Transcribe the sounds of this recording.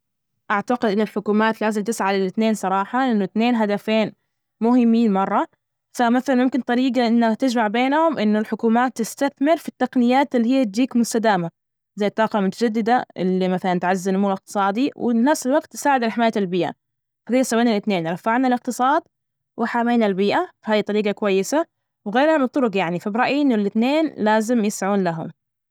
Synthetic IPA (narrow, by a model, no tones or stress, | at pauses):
ʔaʕt̪aqɪd̪ʔɪnːɪlħʊkuːmaːt̪laːzɪmt̪ɪsʕalɪlɪt̪neːnsˤɑɾˤɑːħɑʔɪnːʊɪt̪neːnɦad̪afeːn | mʊɦɪmːiːnmɑrˤːɑ | famaθalanmʊmkɪnt̪ˤɑɾiːɡaʔɪnːakt̪ɪd͡ʒmaʕbeːnhʊmʔɪnːʊlħʊkuːmaːt̪ːɪst̪aθmɪɾfit̪ːaqnɪjːaːt̪ɪlːihɪjːat̪̚d͡ʒiːkmʊst̪ad̪aːma | zajːt̪ˤːɑːqɑmʊt̪ḁd͡ʒad̪ːɪd̪aʔɪ̰lːimaθalant̪ʕazːɪnmuːɾɪq̚t̪ɨ̥sˤɑːd̪iwɪ̰nafsɪlwaɡt̪ːsaːʕɪd̪ɪlħɪmaːjːaɪlbiːʔa̰ | fahiːsawːiːnalɪt̪neːnɾˤɑfːaʕnalɪq̚t̪ɨsˤɑːd̪ | wɪħameːnalbiːʔafahaːjt̪ˤɑɾiːɡɑkwajːɪsa | wɣeːɾhabt̪ˤːʊɾʊɡjaʕnifabɾˤɑʔjiʔɪnːʊlʔɪt̪neːnlaːzɪmjɪsʕuːnlaɦʊ̰m